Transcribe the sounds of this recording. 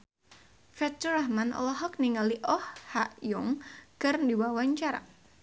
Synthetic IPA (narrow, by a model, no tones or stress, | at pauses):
fɛt͡ʃəɾahmanʔɔ̰lɔɦɔk̚niŋaliʔɔhhaʔjʊŋɡ̥arndiwawaɲt͡ʃaɾa̰